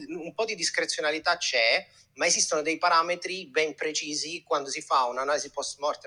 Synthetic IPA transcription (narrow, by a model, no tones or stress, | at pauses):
umpɔd̪id̪iskɾet̪sːjonalit̪at͡ʃːɛ | maezist̪onod̪ɛjpaɾaːmet̪ɾibɛmpɾet͡ʃiːzikwand̪os̬ifaunanalizipɔsmɔrt̪e